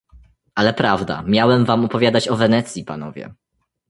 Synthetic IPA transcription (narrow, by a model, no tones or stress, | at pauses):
alɛpɾavd̪a̰mʲjawɛmvamɔpɔvʲjad̪at͡ɕɔvɛnɛt̪sʲjipa̰nɔvʲjɛ̰